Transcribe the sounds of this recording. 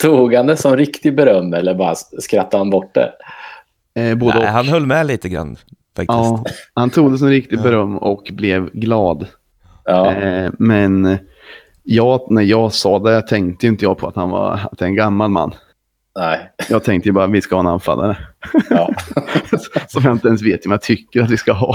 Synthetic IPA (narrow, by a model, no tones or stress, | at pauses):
t̪ʰuːɡand̪əsɔmɾɪkt̪ɪbɛɾœmːɛlːəɾbɑːɾa̰skɾat̪ːahanbɔʈ̚ːɖ̪ɛ̰ | boːd̪əhanɦœlːmɛliːt̪əɡɾa̰nː | fa̰k̪̚ɑɪːsthant̪ʰɾuːɡd̪əs̬ɛnɾɪk̚t̪ɪɡ̪bɛɾœmːɔkblɛvɡlɑːd̪ː | mɛn | jɑːnæɾjɑːɡsɑːd̪ɛjat̪ʰɛŋkt̪əjʏnt̪əjɑːpʰɔat̪hanvɑ̰at̪̚d̪ɛɾɛnɡamːalma̰nː | nɛjɑːɡt̪ʰɛŋkt̪əjəbɑːɾavɪskahɑːɛna̰nfa̰lːa̰ɾə | sɔmjaɪnt̪əɛns̬veːt̪jhɵmjat̪ʰʏkːəɾat̪vɪskaɦɑː